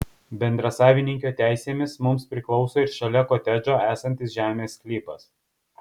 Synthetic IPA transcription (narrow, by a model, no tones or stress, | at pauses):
bʲɛnd̪ɾɐsɑːʋʲɪnʲɪŋʲkʲoːt̪ʲæˑɪsʲeːmʲɪsmʊmspʲɾʲɪklˠɒʊsoːɪɾʃɐlʲɛkoːt̪ʲɛd͡ʒʲoːæːsɐnʲt̪ʲɪsʒʲæːmʲeːsklʲiːpɐs